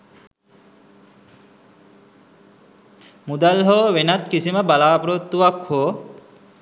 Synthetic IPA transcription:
mud̪alɦoːʋenat̪kisiməbalaːpɾot̪ːuʋakho

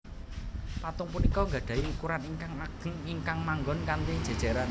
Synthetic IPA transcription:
pat̪ʊŋpunikɔŋɡa̤ɖ̥ä̤iukuɾaniŋkaŋaɡ̥əŋiŋkaŋmaŋɡɔnkant̪i̥ʒ̥a̤d̥ʒ̥a̤ɾan

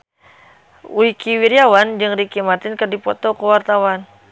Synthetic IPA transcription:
wikiwiɾiawand͡ʒəŋɾikimart̪ɪnkərdipɔt̪ɔkəwart̪awan

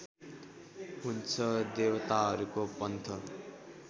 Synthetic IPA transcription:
ɦunt͡sʰʌd̪ewt̪aɦʌɾukopʌnt̪ʰʌ

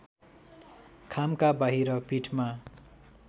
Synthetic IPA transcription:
kʰamkabaɦiɾʌpiʈʰma

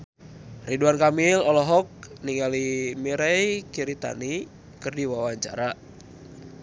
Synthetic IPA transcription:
riduankamilɔlɔɦɔk̚niŋalimiɾɛjkiɾit̪a̰ni | kɨrdiwawaɲt͡ʃa̰ɾa

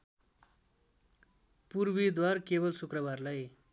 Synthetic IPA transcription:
purbid̪warkebʌlsukrʌbarlaj

